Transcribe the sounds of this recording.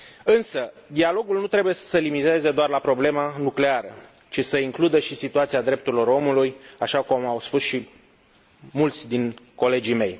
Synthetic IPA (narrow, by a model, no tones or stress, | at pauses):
ɨnsəd̪ialo̞ɡulnut̪ɾe̞bujesəlimit̪e̞ze̞d̪oarlapɾo̞ble̞manukle̞aɾə | t͡ʃisəiŋklud̪əʃisit̪uat̪siad̪ɾe̞pt̪uɾilo̞ɾo̞mulujaʃakumawspusʃi | mult̪sʲd̪inko̞le̞d͡ʒime̞j